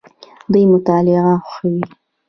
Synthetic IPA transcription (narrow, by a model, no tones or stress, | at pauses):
d̪ujmʊt̪ɑlɪɣaxxawi